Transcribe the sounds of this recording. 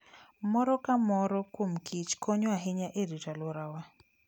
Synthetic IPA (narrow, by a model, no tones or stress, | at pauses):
mɔɾɔkamɔɾɔkwom̩kʰit͡ʃkɔɲɔaɦɪɲaʔeɾitalɔɾawa